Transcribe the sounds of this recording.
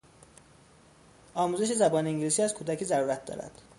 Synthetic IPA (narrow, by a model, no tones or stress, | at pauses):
ʔɒːmuːze̞ʃ̬e̞zæbɒːneiːŋɟiliːsiːæzkʰuːd̪æcʰiːzæɾuːɾæt̪̚ʰd̪ɒ̰ːɾæ̰d̪̥